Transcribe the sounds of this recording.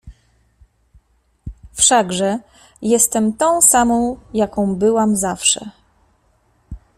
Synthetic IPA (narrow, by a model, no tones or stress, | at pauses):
fʂaɡʐɛ | jɛst̪ɛmt̪ɔ̃w̃samɔ̃w̃jakɔ̃w̃bɘwamzafʂɛ̰